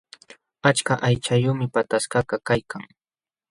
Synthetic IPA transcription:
at͡ʃkaʔajt͡ʃajʊːmɪpat̪askɑɢɑkajkʰaŋ

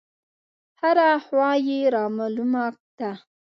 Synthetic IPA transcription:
haɾahwɑjeɾɑmɑlumakd̪̥a

